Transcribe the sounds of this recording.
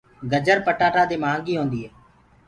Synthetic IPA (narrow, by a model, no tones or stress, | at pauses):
ɡəd͡ʒəɾpəʈaːʈaːd̪eːmaːŋɡiːɦõːnd̪iːɦɛː